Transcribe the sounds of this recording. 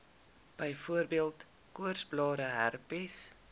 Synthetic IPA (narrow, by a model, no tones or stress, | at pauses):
b̥əjfuərbiəlˠt | kuərsblɑːɾəɦærpis